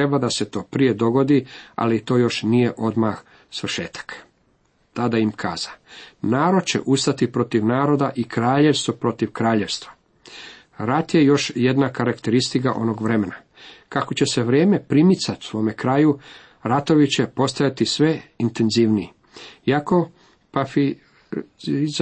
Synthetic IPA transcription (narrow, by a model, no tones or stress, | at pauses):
ɾebad̪ase̞t̪o̞ːpɾije̞d̪o̞ɡo̞d̪ia̰lit̪o̞ːjo̞ʃnije̞ʔo̞d̪max | sʋr̩ʃeːt̪ḁk | t̪ad̪aimkʰa̰ːz̥anaːɾo̞d̪̚t͡ɕe̞̰ʔust̪at̪ipɾo̞t̪iʋnaːɾo̞d̪aʔikɾaːʎe̞ʋst̪opɾo̞t̪iʋkɾaːʎe̞ʋst̪ʋa | ɾat̪je̞jo̞ʃje̞d̪nakaɾakt̪e̞ɾist̪ikaʔo̞̰no̞ɡʋɾe̞me̞na | kako̞t͡ɕe̞se̞ʋɾjeːme̞pɾimit̪sat̪sʋo̞ːme̞kɾaːju | ɾat̪o̞ʋit͡ɕe̞po̞st̪ajat̪isʋe̞int̪e̞nziʋnii | iako̞ | pafi